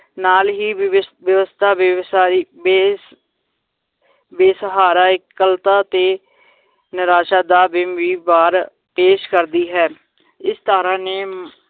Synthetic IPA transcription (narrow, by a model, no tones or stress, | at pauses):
naːlɦiːʋjəʋəst̪ʰaː | beːsəɦaːɾaːɪkːəlt̪aːt̪eː | nɪɾaːʃaːd̪aːbɪmʋiːbaːɾ | peːʃkəɾd̪iːɦɛː | ɪst̪aːɾãːneː